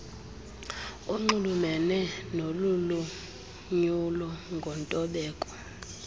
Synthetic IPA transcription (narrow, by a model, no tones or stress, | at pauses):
uŋ͡ǃulumɛnɛnolulu | ɲulɔŋɡʱɔntʼɔɓɛːkʼɔ̥